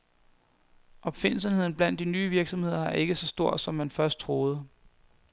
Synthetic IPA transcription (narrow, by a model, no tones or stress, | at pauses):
ʔɒ̽b̥fe̝n̰l̩sənhe̝ð̰ˠn̩b̥læn̰d̥inyːʋiɐɡ̥sɒ̽mhe̝ð̞̰ˠɐɑ̈ʔe̝ɡ̥əsɒ̽sd̥o̝ɐ̰d̥sɒ̽mːænfɶɐsd̥̚t͡sʰʁo̝ːð̞̩ˠə